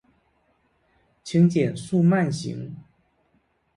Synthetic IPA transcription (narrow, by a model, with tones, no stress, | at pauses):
t͡ɕʰi˧˥ŋt͡ɕjɛ˨˩nsu˥˧ma˥˩nɕḭ˧˥˦ŋ